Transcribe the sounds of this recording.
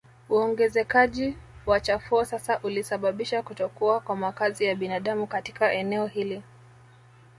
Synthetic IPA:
uɔŋɡɛzɛkaʄiwat͡ʃafuɔsasaʔulisaɓaɓiʃakutɔkuakwamakazijaɓinaɗamukati̥kaʔɛnɛɔhili

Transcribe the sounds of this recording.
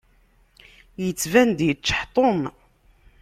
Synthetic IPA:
jət͡sːvænd̪jət͡ʃːħt̪ˤom

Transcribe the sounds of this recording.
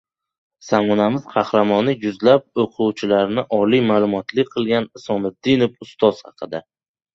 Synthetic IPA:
samɒnamɪz̥qʰɑhɾamɒnɪjʊzlap̚oqʰʊwt͡ʃʰɪlaɾnɪʔɒlijmaːlˠʊmɒt̪ʰlɪk̚ʲqʰɨlˠɡʲanɪsɒnɪd̪̥ɪnopʊst̪ʰɒz̥hɑ̰qʰɨd̪a

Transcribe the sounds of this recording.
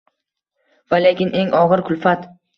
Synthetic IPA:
vale̞kʲɪnʔe̞ŋʔɒʁɨɾkʰʊlfat̪

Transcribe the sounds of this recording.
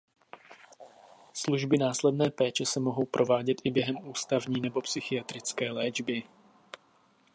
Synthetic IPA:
sluʒbɪnaːslɛdnɛːpɛːt͡ʃɛsɛmo̞ɦo̞wpɾʔo̞vaːɟɛt̪ʔɪbjɛɦɛmʔuːst̪avɲiːnɛbo̞psɪxɪjat̪ɾɪt͡skɛːlɛːd͡ʒbɪ

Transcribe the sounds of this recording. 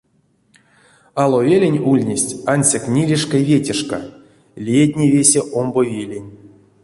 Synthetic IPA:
alˠovʲelʲenʲulʲnʲesʲtʲanʲsʲaknʲilʲiʂkajvʲetʲeʂka̰ | lʲijet̪ʲnʲevʲesʲeʔombovʲelʲenʲ

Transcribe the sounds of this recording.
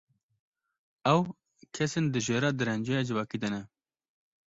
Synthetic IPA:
ɛw | kʰɛsend̪ɨʒeːɾɑːd̪ɨɾɛnd͡ʒeːjɑːd͡ʒɨvɑːkiːd̪ɛnɛ

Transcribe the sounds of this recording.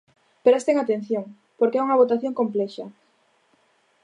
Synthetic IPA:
peɾast̪eŋat̪en̟θjoŋ | poɾkeɛuŋɐβ̞ot̪aθjoŋkomplɛʃɐ

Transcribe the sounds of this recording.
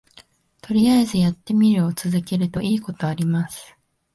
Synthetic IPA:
t̪o̞ɾʲiaezɨjat̪ːe̞mʲiɾɯ̟ot͡sɨzɨke̞ɾɯ̟t̪o̞ʔiːko̞t̪o̞aɾʲimasɨ̥

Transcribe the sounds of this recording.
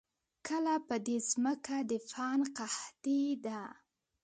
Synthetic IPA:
kʰəlapəd̪ezməkad̪əfɑnqaht̪id̪a

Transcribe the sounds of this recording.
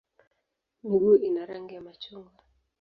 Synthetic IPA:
miɡuinaɾaŋɡiamat͡ʃuŋɡa

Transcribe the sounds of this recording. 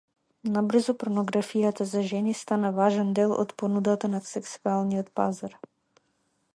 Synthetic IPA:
nabr̩zɔpɾnɔɡɾafijat̪azaʒɛnist̪anavaʒɛnd̪ɛlˠɔ̰t̪pɔnud̪at̪anasɛksualˠniɔt̪pazaɾ

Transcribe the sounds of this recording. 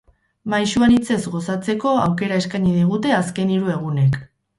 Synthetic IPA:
majʃuanit͡se̞zɣo̞sat͡se̞ko̞awke̞ɾaeskaɲiðiɣ̞ut̪e̞aske̞niɾue̞ɣ̞une̞k

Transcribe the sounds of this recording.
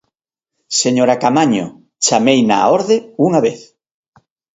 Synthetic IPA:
seɲoɾakamaɲoʊ̰ | t͡ʃamejna̰oɾðeuŋaβeθ

